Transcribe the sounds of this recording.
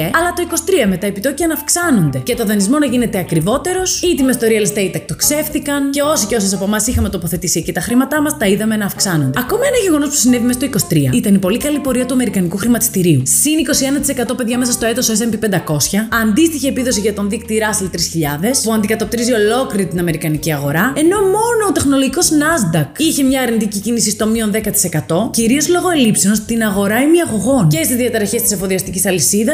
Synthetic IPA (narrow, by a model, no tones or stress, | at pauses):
eɐlɐt̪o̞iko̞st̪ɾiɐme̞t̪ɐepit̪o̞ciɐnɐfksɐno̞nd̪e̞cet̪o̞ðɐnizmo̞nɐʝine̞t̪eɐkɾivo̞t̪e̞ɾo̞sit̪imeθt̪o̞ɾiɐlist̪eit̪ɐk̚t̪o̞kse̞fθikɐnceo̞siceo̞sɐsɐpo̞mɐsixɐme̞t̪o̞po̞θe̞t̪isiɐcit̪ɐxɾimɐt̪ɐmɐst̪ɐiðɐme̞nɐːfksɐno̞nd̪ɐko̞mɐenɐʝe̞ɣo̞no̞spu̥sine̞vimest̪oiko̞st̪ɾiɐit̪ɐnipo̞likɐlipo̞ɾiɐt̪uɐme̞ɾikɐnikuxɾimɐt̪ist̪iɾiusiniko̞sie̞nɐt̪i̥se̞kɐt̪o̞pe̞ðʝɐme̞sɐst̪o̞et̪o̞ses̬embipend̪ɐko̞sçɐɐnd̪ist̪içie̞piðo̞siʝɐt̪o̞nðikt̪iɾɐsilt̪ɾisçiʎɐðe̞spuɐnd̪ikɐt̪o̞p̚t̪ɾizio̞lo̞kliɾit̪inɐme̞ɾikɐniciɐɣo̞ɾɐe̞no̞mo̞no̞ːt̪e̞xno̞lo̞ʝiko̞znɐzd̪ɐkiçemɲɐːɾnit̪icicinisist̪o̞mio̞nðekɐt̪i̥se̞kɐt̪o̞ciɾio̞zlo̞ɣo̞e̞lipsionst̪inɐɣo̞ɾɐimiɐɣo̞ɣo̞nce̞st̪izðiɐt̪ɾɐçest̪iseɱfoðiɐst̪icisɐlisiðɐ